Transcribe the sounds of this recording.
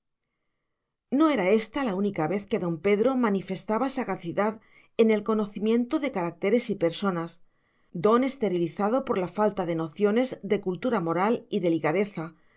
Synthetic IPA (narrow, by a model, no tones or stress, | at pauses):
no̞e̞ɾae̞st̪alaunikaβe̞θke̞ðo̞mpe̞ðɾo̞manife̞st̪aβasaɣaθiðað | e̞ne̞lko̞no̞θimjẽ̞nt̪o̞ðe̞kaɾak̚t̪e̞ɾe̞sipe̞ɾso̞nas | d̪o̞ne̞st̪e̞ɾiliθað̞o̞po̞ɾlafalt̪aðe̞no̞θjo̞ne̞zðe̞kult̪uɾamo̞ɾaliðe̞likaðe̞θa